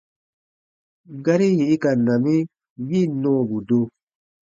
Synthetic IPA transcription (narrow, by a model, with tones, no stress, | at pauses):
ɡa˦ɾi˦jĩ˨i˦ka˨na˨mĩ˦ | ji˦˨nɔ̃ː˦˨bu˨do˦